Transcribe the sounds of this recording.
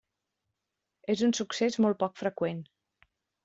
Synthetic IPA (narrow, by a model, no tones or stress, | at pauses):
ezunsuksezmɔl̚ˠpɔkfɾəkwen